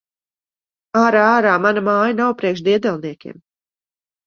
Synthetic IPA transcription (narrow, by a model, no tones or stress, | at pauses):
aːɾaaːɾaːmanamaːjanawpɾiɛkʃ̬d̪iɛd̪ɛlˠniɛkʲḭːm